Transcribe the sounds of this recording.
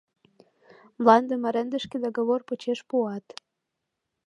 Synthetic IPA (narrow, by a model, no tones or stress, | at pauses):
mlɑnd̪ə̆mɑɾənd̪ə̆ʃked̪oɣəβorpət͡ɕeʃpuɑt̪